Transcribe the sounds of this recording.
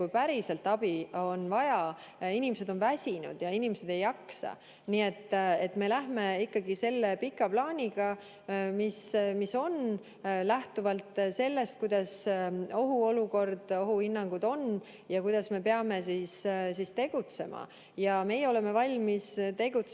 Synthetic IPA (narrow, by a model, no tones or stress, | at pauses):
kujpæɾise̞lt̪ːɑb̥io̞nvɑjɑ | inimese̞d̪̥onvæsʲinṵd̪̥jɑinimese̞d̪̥e̞jːɑksɑ̰ | niːe̞t̪ːˑet̪me̞læɦme̞ikːɑɡise̞lːe̞pikːˑɑplɑːnʲiɡ̥ɑ | mismiso̞n | læht̪uvɑlt̪ˑse̞lːe̞st̪̚kujd̪̥ɑso̞ɦuo̞luko̞rd̪̥o̞ɦuhinːɑŋɡ̥ud̪̥o̞n | jɑkujd̪̥ɑsme̞pe̞ɑme̞siːssist̪e̞ɡ̥ut̪se̞mʔɑ̰ | jɑme̞jeo̞le̞me̞vɑlʲmist̪e̞ɡ̥ut̪s